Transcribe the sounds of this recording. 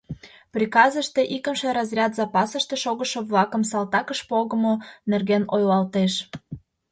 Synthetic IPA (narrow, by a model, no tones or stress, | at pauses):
prʲikɑzəʃt̪eʔikəmʃĕɾɑzrʲɑt̪zɑpɑsəʃt̪eʃoɣəʃə̆βlɑkəmsɑlt̪ɑkəʃpoɣə̆monerɣenojlɑlt̪eʃ